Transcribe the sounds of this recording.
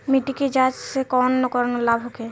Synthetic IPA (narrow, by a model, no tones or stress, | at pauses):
miʈiked͡ʒat͡ʃsekɔnːokɔɾnolabʱɦoke